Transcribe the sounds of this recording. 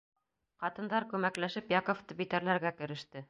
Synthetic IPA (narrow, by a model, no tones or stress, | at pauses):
qɑt̪ɤ̆nd̪ɑɾkʉmæklæʃɘpjɑkŏft̪ɤbit̪æɾlæɾɡækɘ̆ɾɘ̆ʃt̪ɘ